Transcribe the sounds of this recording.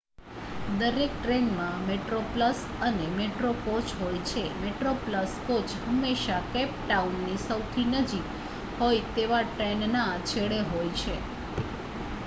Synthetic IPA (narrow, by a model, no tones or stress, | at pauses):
d̪əɾek̚ʈɾenmãmeʈɾopləsənemeʈɾokot͡ʃɦojt͡ʃʰemeʈɾopləskot͡ʃɦəmːeʃakɛpʈaunːisəwt̪ʰinəd͡ʒik | ɦojt̪eʋaʈɾennat͡ʃʰeɭeɦojt͡ʃʰe